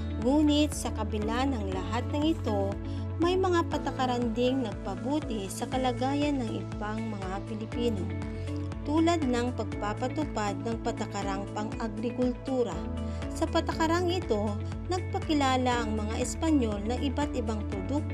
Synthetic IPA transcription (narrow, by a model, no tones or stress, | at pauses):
ŋuːnɪt̪sɐkɐbɪlanɐŋlɐɦat̪̚nɐŋɪt̪o̞ | mɐjmɐŋapɐt̪ɐkɐɾand̪ɪŋnɐɡ̚pɐbuːt̪ɪsɐkɐlɐɡaːjɐnːɐŋʔɪ̰baŋmɐŋapɪlɪpiːno | t̪uːlɐd̪̚nɐŋpɐɡ̚papɐt̪ʊpad̪̚nɐŋpɐt̪ɐkɐɾaŋpɐŋɐɡɾɪkʊlt̪uːɾɐ | sɐpɐt̪ɐkɐɾaŋɪt̪o̞ | nɐɡ̚pɐkɪlaːlɐʔɐŋmɐŋaʔɛspɐɲo̞lnɐŋʔɪbat̪ʔɪbaŋpɾod̪ʊk̚t̪